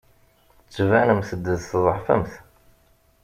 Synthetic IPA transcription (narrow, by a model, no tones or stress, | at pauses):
t͡sːvænəmθəd̪ːəðθðˤəħfæ̰mθ